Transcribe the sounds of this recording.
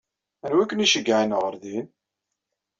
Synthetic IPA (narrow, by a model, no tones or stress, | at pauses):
ænwækːəniʃəɡːaʕinʁəɾðin